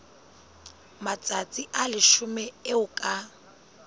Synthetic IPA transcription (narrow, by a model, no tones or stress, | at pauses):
mat͡sʼat͡sʼiʔalɪʃʊmɛeʊkʼa